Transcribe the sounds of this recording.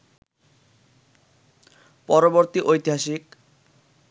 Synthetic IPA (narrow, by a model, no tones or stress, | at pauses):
pɔɾoboɾt̪iʔojt̪iɦaʃik